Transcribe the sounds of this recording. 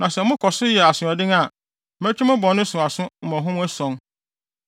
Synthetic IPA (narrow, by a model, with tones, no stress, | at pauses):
nã˨sɛ˨mʊ̃˦kʰɔ˨sʊ˦jɛ˨a˨sʊ̃˨ɔ˨dɪ̃˦ŋa˨ | mæ˦t͡ɕʰᶣi˦mʊ̃˦bɔ̃˨nʊ̃˦sʊ̃˨a˨sʊ̃˦˨mɔ̃˨ɦʊ̃˦m̃˦æ˦sɔ̃˨ŋ